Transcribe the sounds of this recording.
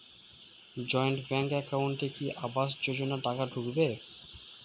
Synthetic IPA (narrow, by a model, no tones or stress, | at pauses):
d͡ʑɔjɳʈbɛŋkɛkawɳʈekiʔabaʃd͡ʑod͡ʑonaʈakaɖʱukbe